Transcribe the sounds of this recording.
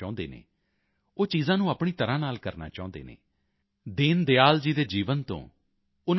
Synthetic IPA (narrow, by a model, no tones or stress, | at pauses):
aːʊ̃nd̪ḛːnḛː | oːt͡ʃiːzãːnũːaːpɳiːt̪əɾãːnaːlkəɾna̰ːt͡ʃaːʊ̃nd̪ḛːnḛː | d̪ɪːnd̪eaːld͡ʒiːd̪eːd͡ʒiːʋənt̪õ̰ː | ʊn